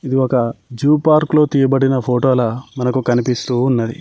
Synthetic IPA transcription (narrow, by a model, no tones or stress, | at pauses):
id̪iɔkɐd͡ʒuːpaːɾklo̞ːt̪iːjɐbɐɽinɐpʰoːʈoːlɐmɐnɐkukɐnipist̪uːnːɐd̪ḭ